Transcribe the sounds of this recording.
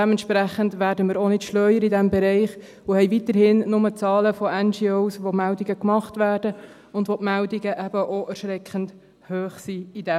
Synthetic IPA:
ɛmɛntʃpɾæχəndʋæːɾdəmiɪːɾonɪtʃlœʏəɾidɛmbɛɾɛɪχ | ʊhɛɪʋit̪əɾhɪnnʊmət͡sɑːləfɔɛnd͡ʒiosʋomældiɡəkmɑχtʋæːrd̥ə | ʊndʋopmældiɡəʔɛbəʔoʔæɾʃɾɛkχənd | høːχsiidɛ

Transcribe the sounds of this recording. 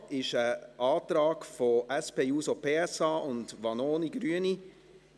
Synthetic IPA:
ɪʃəʔɑːtɾɑːɡfoʔɛspeːjuːsopʰeːɛsɑːʔʊndʋɑnoːniɡ̥ɾyəni

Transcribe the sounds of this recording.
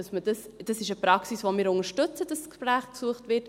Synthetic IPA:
ɑsmədɑsd̥ɑsɪʃəpɾɑksisvomɪːɾʊŋəʃtɵt͡səd̥ɑskʃpɾæːχksuəχtvɪɾt

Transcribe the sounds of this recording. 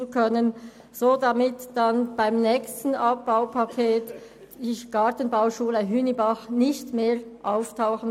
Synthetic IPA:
nkʰœnən | z̥oːdɑmɪtd̥ɑnb̥aɪmnɛːçstn̩ʔɑp̚b̥aʊpʰakʰeːt | iɡ̥ɑtən̩baʊʃuːləɦyːnibɑχnɪçtmeːʁʔaʊftʰaʊxən̩

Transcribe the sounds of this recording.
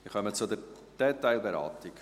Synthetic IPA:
ɪχœmət͡sʊdɛɾ | d̥ɛtːaɪlˠbeɾa̰ːtik

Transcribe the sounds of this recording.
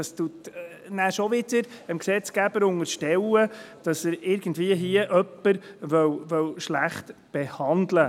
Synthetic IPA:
ɑstut | næːʃɔʋɪdəɾəmksɛt͡sɡ̥æb̥əɾʊŋəɾʃtɛwəd̥ɑsəɾɪɾɡ̥ən̩dviəɦiəʔœpːəɾvœwvœwʃlæχt̪b̥ehɑndlə

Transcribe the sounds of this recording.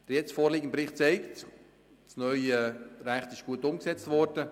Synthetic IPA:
d̥əɾjɛt͡sfoːɾliːɡənpɾɪχtt͡sɛɪkt | snœʏəɾæχtɪʃɡ̥uətʊmksɛt͡stvɔɾd̥ə

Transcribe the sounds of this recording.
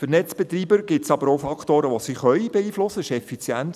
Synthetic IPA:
fəɾnɛt͡sb̥ɛt̪riːbəɾɡ̥ɪtsɑbəɾoʊfɑkχtoːɾəʋosiχœʏb̥ɛiːflʊsːəɪʃɛfit͡sjænt

